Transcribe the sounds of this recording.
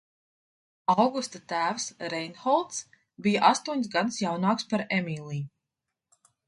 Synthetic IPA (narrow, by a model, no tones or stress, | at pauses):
awɡust̪at̪æːwsɾɛjnxɔlˠt̪s | bijaʔast̪uɔɲsɡad̪sjawnɑːkspaɾɛmiːlˠiː